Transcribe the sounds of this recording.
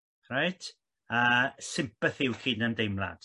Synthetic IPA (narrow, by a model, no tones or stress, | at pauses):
rajtʰ | əːsɪmpəθiwkʰidnəndejmlˠa̰d̥